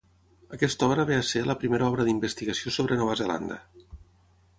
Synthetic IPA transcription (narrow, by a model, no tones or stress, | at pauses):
əkɛst̪ɔβɾəβeəseləpɾimeɾɔβɾəðimbəst̪iɣəsiosoβɾənɔβəzela̰nd̪ə̰